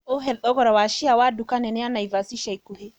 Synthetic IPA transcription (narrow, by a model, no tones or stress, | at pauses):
oɦɛlɗɔɡɔɾawaʃijawadukanɛnɛanajvasiʃajkuhe